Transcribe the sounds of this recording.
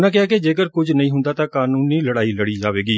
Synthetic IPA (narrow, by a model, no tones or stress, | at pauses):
nãːkɪaːked͡ʒeːkəɾkʊd͡ʒnəĩːɦʊ̃nd̪aːt̪ãːkaːnuːniːləɽaːiːləɽiːd͡ʒaːʋeːɡiː